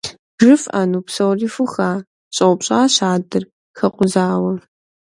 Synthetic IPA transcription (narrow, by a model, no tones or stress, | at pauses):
ʐɨfʔa̰ːnuːpsɐwriːfʊxaː | ɕʼɐʊpɕʼaːɕaːdɨr | xɐqʷʊzaːwɐ